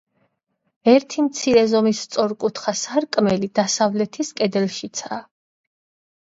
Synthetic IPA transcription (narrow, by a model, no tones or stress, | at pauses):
ɛɾt̪ʰimt̪sʰiɾɛzɔmist̪sʼɔɾkʼut̪ʰχasaɾkʼmɛlid̪asavlɛt̪ʰiskʼɛd̪ɛlʃit̪sʰaː